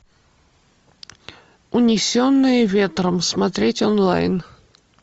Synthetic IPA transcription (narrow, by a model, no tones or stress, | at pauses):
ʊnʲɪsʲonːɨjəvʲe̞t̪ɾəmsmɐt̪ɾʲetʲonlˠa̰jn